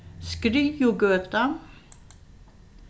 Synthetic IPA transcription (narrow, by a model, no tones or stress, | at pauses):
skɾiːjuɡøːt̪a